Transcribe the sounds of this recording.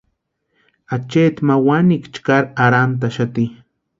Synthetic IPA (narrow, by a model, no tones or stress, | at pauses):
at͡ʃet̪mawanikt͡ʃkaɾaɾant̪̬aʃat̪i